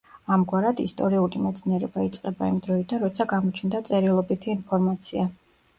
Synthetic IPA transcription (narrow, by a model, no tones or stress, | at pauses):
amɡwaɾad̪ist̪ʼɔɾiulimɛt̪sʰniɛɾɛbait̪sʼqʼɛbaimd̪ɾɔid̪anɾɔt̪sʰaɡamɔt͡ʃʰnd̪at̪sʼɛɾilˠɔbit̪ʰiːnpʰɔɾmat̪sʰia